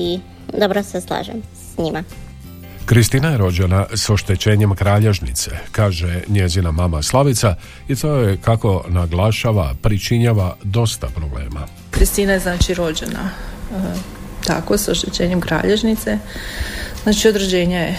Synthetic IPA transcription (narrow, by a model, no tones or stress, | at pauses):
i | d̪obɾoseslˠa̰ːʒḛmsɲima | kɾist̪iːnajeɾo̞d͡ʑenaso̞ʃt̪e̞t͡ɕe̞ːɲe̞mkɾaːʎe̞ʒnit̪sekaːʒeɲe̞zinamamaslˠaʋit̪sa | it̪ojekako̞naɡlˠaʃaːʋa̰pɾit͡ʃiɲaʋad̪o̞st̪apɾo̞ble̞̰ːma̰ | kɾist̪iːnajeznaːt͡ʃiɾo̞d͡ʑena̰ | t̪a̰kosoʃt̪et͡ɕeːɲemkɾa̰ːʎeʒnit̪se | znaːt͡ʃiod̪ɾed͡ʑeːɲaje